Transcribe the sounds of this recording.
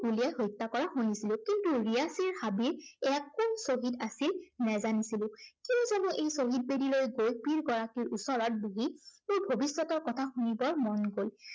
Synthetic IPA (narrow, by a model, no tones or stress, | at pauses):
ulijajɦojtːakɔɹaxojnisilʊ̃kintuɹijasiɹhabiɛakːɔnsoɦidasilnɛzanisilʊ̃kintuzɛnɔʔejsoɦid̚bedilojɡojpiɹɡɔɹakiɹusɔɹɔt̚buɦimʊɹbʱobisːɔtɔɹkɔtʰaxunibɔɹmɔnɡol